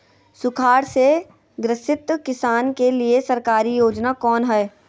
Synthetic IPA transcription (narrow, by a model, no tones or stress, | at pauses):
sʊkʰaːɽse | ɡɾɪsɪt̪əkɪsaːnkeliesɐɾkaːɾijoːd͡ʒnakɔːnɦɛː